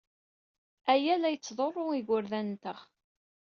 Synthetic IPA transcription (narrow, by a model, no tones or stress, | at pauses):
æjælæjət͡sːðˤorˤːoiɣʊɾðænt̪əʁ